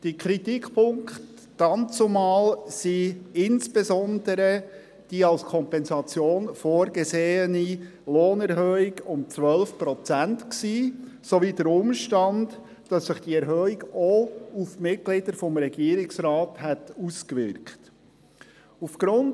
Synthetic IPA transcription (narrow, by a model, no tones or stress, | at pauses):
d̥iəkʰɾitikpʰʊŋkχt | d̥ɑnt͡sumɑːlsiɪnsb̥ezɔnd̪əɾə | d̥iːɑlskʰɔmpɛnzɑt͡sjoːnfoːɾɡezeːəni | loːnɛɾɦœːiɡʊmt͡sʋœlfpɾɔt͡sæntksiː | soviːdəɾʊmʃtɑnd | d̥ɑsːɪχd̥iɛɾɦøːiɡɔufmɪt̚ɡ̥lɪd̥əɾfɔmɾɛɡiːɾɪksɾɑːthɛtuskʋɪɾkχt | ufɡ̥ɾʊn